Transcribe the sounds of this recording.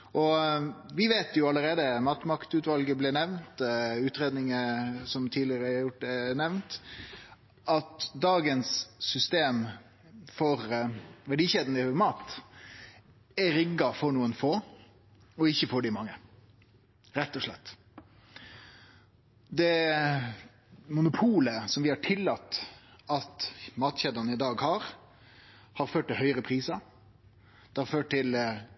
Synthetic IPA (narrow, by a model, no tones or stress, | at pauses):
ʔɔʋɪʋeːt̪jʊɑləɾeːd̪əmɑːt̪mɑkt̪ʉːt̪ʋɑlɡəblɪnɛʋnt̪ʉːt̪ɾeːd̪nɪŋəsɔmt̪ʰiːlɪəɾəæɑɾjʊʈːɛnɛʋnt̪ | ʔɑt̪d̪ɑːɡənsːʏst̪eːm | fɔɾʋæɖiːçed̪n̩ɪmɑːt̪ | ɛɾɪɡːɑfɔɾnuːənfoː | ɔɪçːəfɔɖɪmɑŋːə | ɾɛt̪ːɔʂɭɛ̰t̪ː | d̪ɛ | mʊnʊpʰuːləsɔmʋɪhɑʈʰɪlːɑt̪ːɑt̪mɑːt̪çeːd̪ɑnəɪd̪ɑːɡhɑːɾ | hɑːɾføːʈ̚t̪ːɪlɦœʏɾəpʰɾiːsɑ | d̪̥ɛhɑɾføːʈ̚t̪ɪl